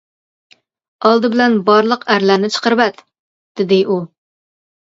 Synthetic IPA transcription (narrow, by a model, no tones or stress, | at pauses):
ɑlˠd̪ɨbɪlɛnbɑɾlˠəqʰæɾlæɾnɪt͡ʃʰə̥qʰəɾvɛt̪ | d̪̥ɪd̪ɪʔu